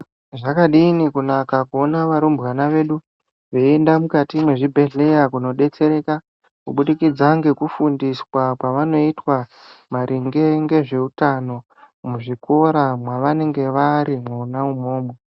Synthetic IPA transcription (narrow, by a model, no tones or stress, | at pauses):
ʐakaɗinikunakakuonaʋaɾumbwanaʋe̞ːɗu | ʋeendamukatimweʐibʱe̞ɮe̞jakuno̞ɗe̞t͡se̞ɾe̞ːka | kuɓuɗikid͡zaŋɡe̞kufundiswakwaʋano̞itwa | maɾʔiŋɡe̞ŋɡe̞ʐe̞utano̞ | muʐiko̞ɾamwaʋane̞ŋɡe̞ʋaɾimwoːnaumo̞ːmo